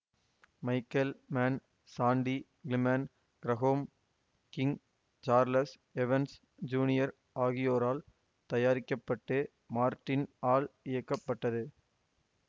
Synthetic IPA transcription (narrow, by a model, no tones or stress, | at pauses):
mɐɪkːɐlmaːn | saːɳɖi | ɡlɪmɐn | ɡ̥ɾɐɣoːm | kɪŋ | t͡ʃaːɾlɐs | ɛʋɐns | d͡ʒuːnɪjɐɾ | aːɣɪjoːɾaːl | t̪ɐjaːɾɪkːɐpːɐʈːɯ | maːɾʈːɪnaːlɪjɐkːɐpːɐʈːɐðɯ